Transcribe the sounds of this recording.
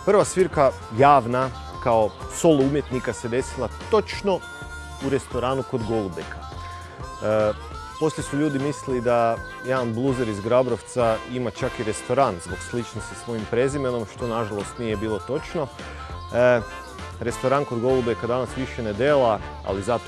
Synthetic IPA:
pr̩ʋasʋiɾka | jaːʋna | kao̞so̞lˠoumje̞t̪nikase̞d̪e̞silˠat̪o̞t͡ʃno̞ | uɾe̞st̪o̞ɾaːnuko̞d̪ɡo̞lˠubekʰa | po̞slʲjesuʎuːd̪imislid̪a | jed̪anblˠuzeɾizɡɾabɾo̞ʋt̪saimat͡ʃakiɾe̞st̪o̞ɾanzboɡslit͡ʃnost̪isʋo̞jimpɾe̞zimeno̞mʃt̪o̞naʒalˠost̪nije̞biːlˠo̞t̪o̞t͡ʃno̞ | ɾe̞st̪o̞ɾankod̪ɡo̞lˠubekad̪anasʋiʃened̪eːla | a̰lizat̪o

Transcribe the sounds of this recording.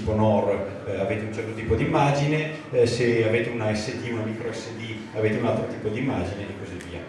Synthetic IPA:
ponɔr | aveːt̪eunt͡ʃɛrt̪ot̪iːpod̪imːad͡ʒine | seaveːt̪eunaɛsːed̪iunamikɾoɛsːed̪i | aveːt̪eunalt̪ɾot̪iːpod̪imːaːd͡ʒinenikoziviːa

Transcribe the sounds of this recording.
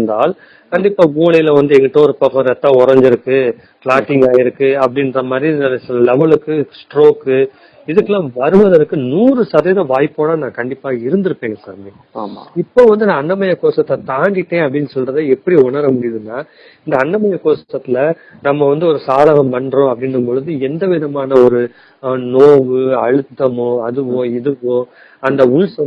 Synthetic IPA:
ɯnd̪aːl | kɐɳɖɪpːaːʋuːɳɐjɪlɐʋɐnd̪ɯɛŋɡɐʈːõɔɾɯpɐkːɐ̃ɾɛt̪ːãːɔɾɐɲd͡ʒɪɾɯkːɯ | kɭaːʈːɪŋɡaːjɪɾɯkːɯɐpːɐɽɪnːrɐmɐːd̪ɾinɐlɐsɪlɐlɛʋɐɭɯkːɯsʈɾoːkːɯ | ɪðɯkːɐlãːʋɐɾɯʋɐðɐɾɯkːɯnuːɾɯsɐɾɐjɐðɐʋaːjpːoːnaːnãːkɐɳɖɪpːaːɪɾɯnd̪ɯɾɯpːeːŋɡɐsaːɾmeː | m̰ɪpːoːʋɐnd̪ɯnɐːnːɐmɐjɐkoːʂɐt̪ːɐt̪aːɳɖɪʈːẽːɐp̬ːɐɽɪnːɯsɔlrɐðɐɛpːɐɽiʊɳɐɾɐmʊɽɪjɐðɯnːaː | ɪnd̪ɐːɳːɐmɐjɐkːoːsɐt̪ːɐt̪ːɪlɐ | nɐmːɐʋɐnd̪ɯɔɾɯsaːðɐɣɐ̃mpɐɳɖɾõɐpːɐɽɪnɯmpɔɭɯðɯɛnd̪ɐʋɪðɐmaːnɐɔɾɯ | noːʋɯɐɻɯt̪ːɐmõɐðɯʋõːɪðɯʋõ | ɐnd̪ɐʊɻsɐ

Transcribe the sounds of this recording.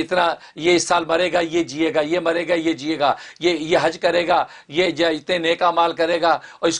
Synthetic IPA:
ɪt̪na | jeɪsːaːlmɐɾeːɡaːjed͡ʒieːɡaːjemɐɾeːɡajed͡ʒieːɡaːjejeɦɐd͡ʒkɐɾeːɡaː | jejeɪt̪neneːkaːmaːlkɐɾeːɡaːɔːɾɪs

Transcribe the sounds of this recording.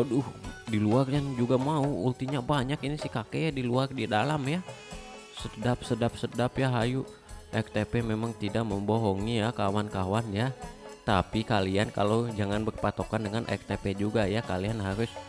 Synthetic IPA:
odʊhdiluarjand͡ʒuɡamauult̪iɲabaɲakinisɪhkakɛjadiluardidalamja | sədap̚sədap̚sədapjaɦaju | ʔɛk̚t̪epɛmemaŋt̪idak̚məmboɦɔŋijakawankawanjat̪apikaliankalod͡ʒaŋanbərpat̪okandəŋanʔɛ̰k̚t̪epɛd͡ʒuɡajakalianɦaɾʊs

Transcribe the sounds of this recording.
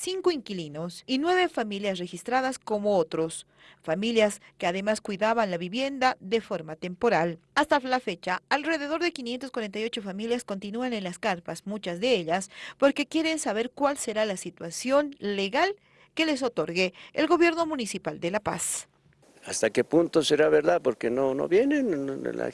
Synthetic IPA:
siŋkoiŋkilino̞sinwe̞βe̞familjasre̞xist̪ɾaðasko̞mo̞ot̪ɾo̞s | familjaske̞aðe̞maskwiðaβanlaβiβje̞nd̪aðe̞fo̞ɾmat̪e̞mpo̞ɾalast̪alafe̞t͡ʃaalre̞ðe̞ð̞o̞ɾðe̞kinjent̪oskwaɾe̞nt̪̬ajo̞t͡ʃo̞familjasko̞nt̪inuanenlaskaɾpasmut͡ʃazðe̞eʎaspo̞ɾke̞kje̞ɾe̞nsaβe̞ɾkwalse̞ɾalasit̪wasjo̞nle̞ɣal | ke̞le̞s̬o̞t̪o̞ɾɣeːlɣo̞βje̞ɾno̞mũnisipald̪e̞lapa̰s | ast̪ake̞punt̪oseɾaβeɾðaðpoɾkenono̰βje̞nen̰la̰

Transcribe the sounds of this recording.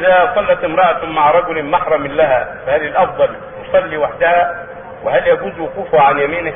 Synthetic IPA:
ðæsˤɑlːɑt̪ɪmɾˤɑʔæt̪maʕɾˤɑɡʊlmaħɾˤɑmɪnlːæɦæfæhælɪlʔɑfd̪ˤɑl | j̪ʊsˤɑlːiwaħd̪æhæ | wɪɦæljæɡuːzwʊquːfʊhæʕanjæmiːnɪ

